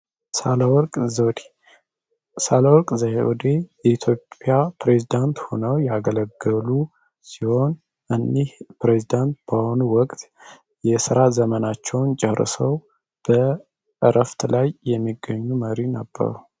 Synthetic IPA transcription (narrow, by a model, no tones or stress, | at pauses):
salwɔkʼzod̪i | salawɔkʼzahewɔd̪ejɛit̪ʰjo̞pʼːjapɾe̞zid̪ant̪ho̞nəwjaɡələɡːəlu | siho̞n | ʔɨnːihpɾezid̪ant̪̚b̥aho̞nuwɔkʼt̪ | jɛsɨɾazəmənat͡ʃːɛwnt͡ʃʼɛrɨ̰səw | b̥ə | ɨɾʔəft̪lajjɛmːiɡːəɲːuməɾinəbːə̰ɾu